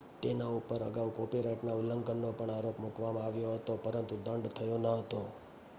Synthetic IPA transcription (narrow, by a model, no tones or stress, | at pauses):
t̪enaupəɾə̰ɡaukopiɾaʈnauləŋɡənnopəɳaɾopmukʋamãaʋjoɦət̪opəɾənt̪ud̪əɳɖt̪ʰəjonaɦət̪o